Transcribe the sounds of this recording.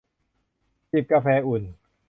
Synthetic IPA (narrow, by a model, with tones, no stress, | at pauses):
si˨˩p̚ka˧fɛː˧ʔu˨˩n